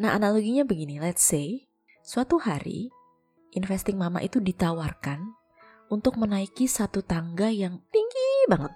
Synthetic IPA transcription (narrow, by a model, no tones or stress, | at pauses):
naɦa̰naloɡiɲabəɡinilɛt̪sej | suat̪uhaɾḭ | ʔɪnfɛst̪ɪŋmama̰ʔit̪udit̪awarkan | unt̪ʊk̚mənaikisat̪ut̪aŋɡajaŋt̪iŋɡibaŋət̪̚